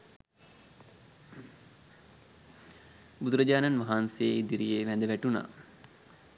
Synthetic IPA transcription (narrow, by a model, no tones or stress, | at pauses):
bud̪uɾɐd͡ʑaːnanʋɐɦaːnsejid̪iɾijeːʋænd̪əʋæʈuna̰ː